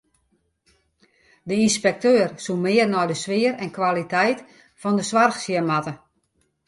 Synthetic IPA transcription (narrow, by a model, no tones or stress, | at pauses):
dəinspɛk̚tøːrsumɪːərnɔjdəsʋɪərɛnkʋalitʰɛjt | fɔndəsʋarxsjəmatə